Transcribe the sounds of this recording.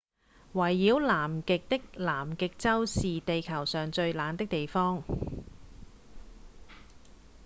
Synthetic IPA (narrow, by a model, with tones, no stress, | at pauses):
wɐ˨˩jːiː˨˧˥wlaː˨˩mkɪ˨k̚t̪ɪ˥k̚laː˨˩mkɪ˨k̚t͡sɐ˥wsiː˨t̪e˨jkʰɐ˨˩wsœː˨˩ŋt͡ʃɵ˧ɥlaː˨˧˥nt̪ɪ˥k̚t̪e˨jfɔː˥ŋ